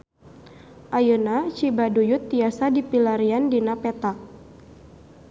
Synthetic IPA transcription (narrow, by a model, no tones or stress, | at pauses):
ʔajənat͡ʃibadujut̪ːiasadipilaɾiandinapɛt̪a